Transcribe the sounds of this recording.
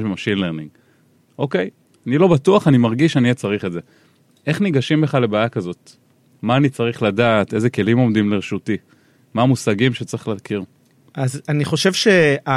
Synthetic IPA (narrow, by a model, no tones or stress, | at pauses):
ʃbemaʃilleʁniŋɡ | ʔo̞ke̞j | anilo̞batuaχanimaʁɡiʃaniet͡saʁiχeze̞ | ʔe̞χniɡaʃimbe̞χale̞baːjakazo̞t | maːnit͡saʁiχladaːt̪e̞zeke̞limo̞mdimleʁeʃuti | maːmusaɡimʃet͡saʁi̥χlaːkiʁ | azaniχo̞ʃevʃea